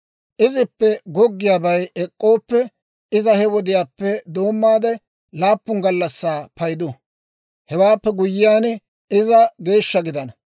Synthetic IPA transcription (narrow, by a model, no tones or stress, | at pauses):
ʔɪzɪpːɛɡɔɡːɪjaːbɐjɛkʼːo̞ːpːɛ | ɪzɐhɛwɔd̪ɪjaːpːɛd̪o̞ːmːaːd̪ɛ | laːpːʊŋɡɐlːɐsːaːpɐjd̪ʊ | hɛwaːpːɛɡʊjːɪjaːn | ɪzɐɡe̞ːʃːɐɡɪd̪ɐnɐ